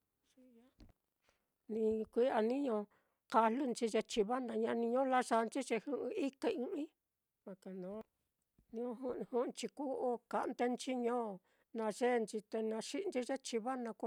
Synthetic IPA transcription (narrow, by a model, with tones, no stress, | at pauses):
ʂi˧ja˦ | nĩ˧kʷi˦a˧nĩ˦ɲõ˧ | ka˧lu˦nt͡ʃi˧ʐe˧t͡ʃi˧βa˦nã˧ɲã˧nĩ˧ɲõ˦˧la˦ʂa˧nt͡ʃi˦ʐe˧hu˧˦ʔi˧i˦ke˧ɨ̃˧ʔĩ˦ | βa˧ka˨nõ˨˦ | nĩ˧õ˧ɦu˧hũ˦˧t͡ʃi˧ku˦ʔo˦ka˧ʔnt̪e˦nt͡ʃi˦ɲõː˦˨˧ | nã˧ʐe˦˧nt͡ʃi˧t̪e˧nã˧ʂi˦˧nt͡ʃi˦ʐe˦t͡ʃi˧βa˦nã˧kʷ